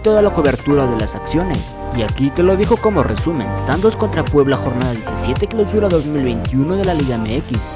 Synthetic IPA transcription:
t̪o̞ðalako̞βe̞ɾt̪uɾaðe̞lasaksjo̞ne̞̰s | iakit̪e̞lo̞ðixo̞ko̞mo̞re̞̰sumẽ̞̰nst̪and̪osko̞nt̪ɾakwe̞βlaxo̞ɾnaðaðjesisje̞t̪eklawsuɾaðo̞zmilβe̞jnt̪juno̞ðe̞laliɣaemeekis

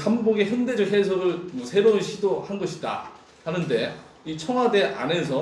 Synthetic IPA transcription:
kamboɡeçjʌnde̞d͡ʑʌkɦe̞sʰʌɾɯɭmʌsʰe̞ɾounɕʰidohanɡʌɕʰida̰ | hanɯnde̞ | it͡ɕʰʌŋɦwade̞ʔa̰ne̞sʰʌ

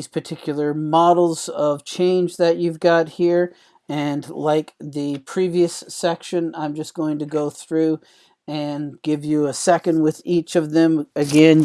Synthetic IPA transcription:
iz̥pʰə˞tʰɪkʰjl̩ˠə˞mɑɾl̩ˠz̥ʌv̥t͡ʃʰẽɪ̃nd͡ʒðɨt͡ʃʉvɡɑt̚hiɹ | ɨ̃nlaɪk̚ðɨpʰɹ̥iviɨsːɛkʃɨ̃nãɪ̃md͡ʒʌsɡ̥oʊɪ̃ŋtɨɡoʊθɹʉ | ɨ̃nɡ̥ɪvjɨəsɛkɨ̃nd̚wɪðit͡ʃʌvðɨ̃mɨɡɛ̃n

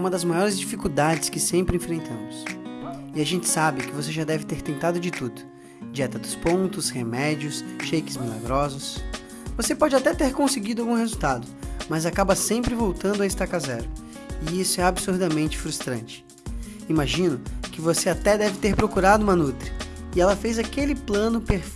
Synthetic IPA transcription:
ũmɐd̪ɐzmajɔɾɪzd͡ʒifikuwd̪ad͡ʒɪskɪsẽmpɾɪẽfɾẽnt̪ɐ̃mʊs | ɪaʒẽnt͡ʃɪ̥sabɪkɪvoseʒad̪ɛvɪt̪eɾt̪ẽnt̪ad̪ʊd͡ʒɪt̪ud̪ʊ | d͡ʒiɛt̪ɐd̪ʊspõnt̪ʊshemɛd͡ʒiʊsʃejkɪzmila̰ɡɾɔzʊs | vosepɔd͡ʒɪat̪ɛt̪eɾkõsɪɡid̪ʊawɡũɦezuwt̪ad̪ʊmɐzakabɐsẽmpɾɪvowt̪ɐ̃nd̪ʊɐɪst̪akazɛɾʊ | ɪisʊɛabɪsuɾd̪ɐmẽnt͡ʃɪ̥fɾust̪ɾɐ̃nt͡ʃɪ̥ | imaʒĩnʊkɪvoseat̪ɛd̪ɛvɪt̪eɾpɾokuɾad̪ʊũmɐnut̪ɾɪ | ɪɛlɐfejzakelɪplɐ̃nʊpeɾf

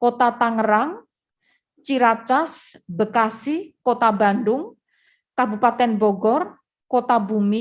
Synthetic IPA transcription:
kot̪at̪aŋəɾaŋ | t͡ʃiɾat͡ʃasbəkasikot̪aba̤ndʊŋ | kabupat̪ɛnbɔɡɔr | kot̪abumi

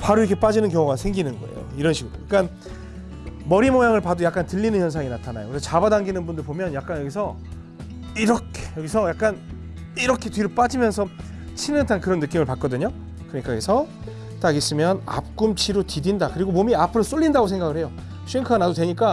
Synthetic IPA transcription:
paɾoiɾkʰe̞p͈ad͡ʑinɯnkjʌŋoɡasʰeŋɡinɯnɡʌe̞̰jo̰iɾʌnɕʰiɡɯɾo̰jak͈an | mʌɾimojaŋɯɭpadojak͈antɯʎːinɯnçjʌnsʰaŋinatʰana̰jo̰kɯɾesʰʌt͡ɕabadaŋɡinɯnbundɯɭpomjʌnjak͈anjʌɡisʰʌ | iɾʌkʰe̥jʌɡisʰʌjak͈an | iɾʌkʰe̞tɥiɾop͈ad͡ʑimjʌnsʰʌ | t͡ɕʰinɯntʰankɯɾʌnːɯk͈imɯɭpak͈ʌdɯɲo | kɯɾʌɲik͈asʰʌ | t͈aɡis͈ɯmjʌna̰p̚k͈umt͡ɕʰiɾotidindakɯɾiɡomomiapʰɯɾʌs͈oʎːindaɡosʰeŋɡaɡɯɭhejo | ɕʰɥiŋkʰaanadotweɲik̬͈a

